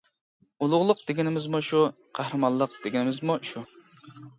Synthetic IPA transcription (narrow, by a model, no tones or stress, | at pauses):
ulˠʊʁlˠʊq̚d̪̥eɡʲɪnɪmɪzmuʃu | qʰæhɾɨmɑlˠːəq̚d̪̥eɡʲnɪmɪzmuʃu